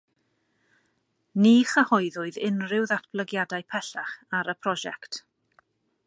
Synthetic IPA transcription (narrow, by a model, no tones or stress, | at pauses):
niːχəhɔɨðʊɨðɪnrɪwðatʰb̥lˠəɡjadaɨpʰɛɬaχaɾəpʰrɔʒɛ̰kt